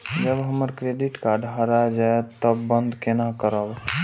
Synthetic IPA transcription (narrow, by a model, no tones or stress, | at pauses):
d͡ʒəbɦəməɾkɾeːɖɪʈkaɖɦaɾad͡ʒaet̪əbːə̃nd̪kenakəɾəb